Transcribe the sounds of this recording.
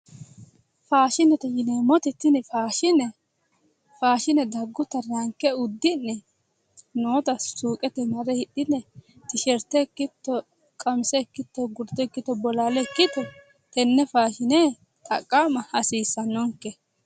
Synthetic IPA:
faːʃɪnɛt̪ɛjɪnemɔt̪ɛt̪ːɪnɛfaːʃɪnɛ | faːʃɪnɛd̪ɐɡːʊt̪ːɐɾɐŋkːɛʊd̪ːɪnːɛ | noːt̪ɐsuːkʼɛt̪ɛmɐɾɛhɪɗːɪnːɛ | t̪ɪʃɛɾt̪ːɛkːɪt̪ːɔ | kʼɐmsɛːkːɪt̪ːɔɡʊɾdt̪ːɔɛkːɪt̪ːɔbɔlaːlɛkːɪt̪ːɔ | t̪ɛnːɛfaːʃɪne | t̪ʼɐ̰kʼːaːmɐhɐsiːsːɐnːɔŋkːɛ

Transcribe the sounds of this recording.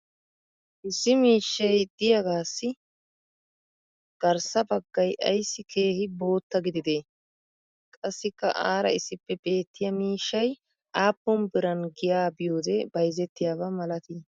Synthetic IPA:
ʔɪsːɪmiːʃːɐjd̪ɪjɐɡaːsːɪ | ɡ̥ɐɾsɐbɐɡːɐjʔɐ̰jsːɪkʰeːhɪbo̞ːt̪ːɐɡɪd̪ɪd̪eː | kʼɐsːɪkːɐ̰ʔaːɾɐ̰ɪsːɪpːɛbeːt̪ːɪjɐmiːʃːɐj | ʔaːpːɔmbɪɾɐnɡɪjaːbɪjo̞ːd̪ɛbɐjzɛt̪ːɪjaːβɐmɐlɐt̪iː

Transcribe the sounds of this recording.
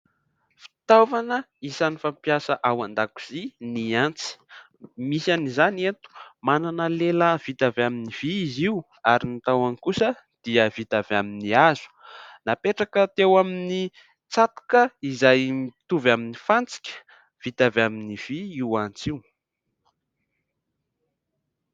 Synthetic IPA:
fi̥t̪avanə | isanifampjasəʔawand̪aku̥z̥iniant͡si̥ | misanizanent̪u̥mananəleləv̥it̪avaminiv̥iiziu | aɾinit̪awankusə | d̪̥iəvit̪avaminiazu̥napeʈ͡ʂakət̪ewamini | t͡sat̪u̥kəizajmit̪uvaminifant͡si̥kʲə̥ | v̥it̪avaminiv̥iiwant͡siw

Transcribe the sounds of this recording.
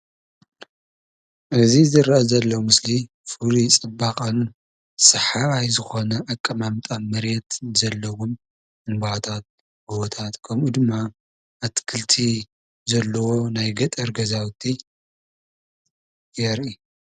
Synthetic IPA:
ʔɨzizɨɾɐʔɐzɐlːɐwmɨsli | fɨɾit͡sʼɨbːakʼɐn | sɨħaajzɨxo̞nɐʔakʼːɐmamt̪ʼanmɐɾjɛt̪zɐlːɐwum | ʔɨnbat̪ʰat̪̚ | buwot̪ʰat̪kʰɐmʔud̪ɨmːa | ʔat̪ʰkʰɨlt̪ʰi | zɐlːɐwo̞najɡɐt̪ʼɐɾɡɐzawt̪ʰi | jɛɾʔi

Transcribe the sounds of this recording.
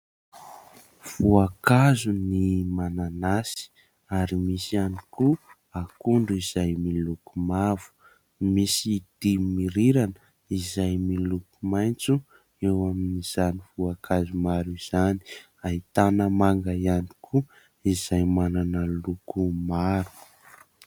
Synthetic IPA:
v̥uakazunimananasi̥ | aɾimisianiku | akuɳɖ͡ʐuizajmilukumavu̥ | misid̪̥imiɾiɾanə | izajmilukumajnt͡su | ewaminiz̥anivuakʰazumaɾiz̥ani̥ | ait̪anəmaŋɡaani̥kʰu | izajmananəlukumaɾu̥

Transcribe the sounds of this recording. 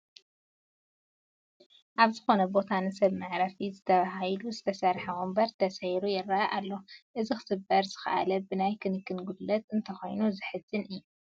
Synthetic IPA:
ʔaβzɨxo̞nɐbo̞t̪ʰanɨsɐβmɨʕɾɐfizɨt̪ʰɐβaɦajluzɨt̪ʰɐsɐɾħɐwombɐɾt̪ʰːɐsɐjɾujɪrːaʔalːo̞ʔɨzixʰɨ̥sɨbːɐɾzɨxaʔa̰lɐbɨnajkʰɨnkʰːɨnɡulɐt̪ɨnt̪ʰɐxo̞jnuzɨħɨzɨnɨjːu

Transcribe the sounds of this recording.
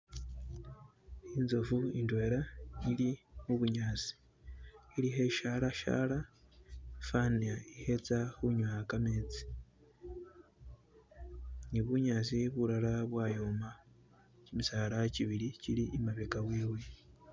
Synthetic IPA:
inzovuindwe̞ːɾanilimuβuɲaːt͡si̥ | iɾiɦe̞ʃaɾaʃa̰ɾa | faniaihe̞t͡sahuɲwakameːt͡si̥ | niβuɲaːt͡siβuɾaɾaβwaːjoːma | cimisaːɾaciβiɾiciɾiʔimaβekawiːwe̞

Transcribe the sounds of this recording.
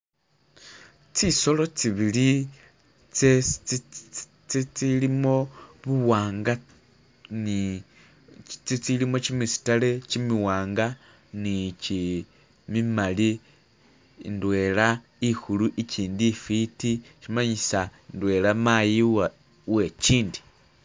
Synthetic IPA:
t͡siso̞lo̞t͡siβili | t͡se | t͡sit͡silimo̞βuwaːŋɡa | ni | t͡sit͡silimo̞t͡ʃimisi̥tale̞t͡ʃimiwaːŋɡa | nit͡ʃi | mimali | ndwe̞ːla | ihuluʔiciːndifitiʃimaɲisaindwe̞lamajiw | we̞t͡ʃiːndi̥

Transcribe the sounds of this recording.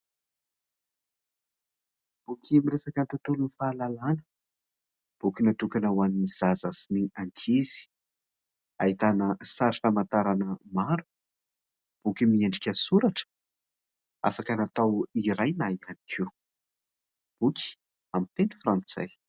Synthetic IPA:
b̥ukʲimiɾesakənt̪at̪ulunifaːlalanə̥ | b̥ukʲinat̪ukanawaniniz̥azasiniaŋkʰizi̥ | ait̪anəsaɾifamant̪aɾanəmaɾu̥ | b̥ukʲimieɳɖ͡ʐikʲəsuɾaʈ͡ʂə̥ | a̰fakanat̪awiɾajnaianikʰi | b̥ukʲi̥ | amit̪enifrant͡sa̰j

